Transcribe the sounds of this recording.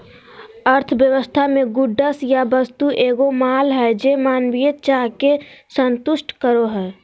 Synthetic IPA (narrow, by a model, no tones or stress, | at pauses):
əɾt̪ʰʋjəʋəst̪ʰamẽɡʊɖːəsjabəst̪uʔeːɡomaːlɦɛːd͡ʒeːmaːnʋiət̪̚t͡ʃaːɦkesə̃nt̪ʊʃʈkəɾoɦɛː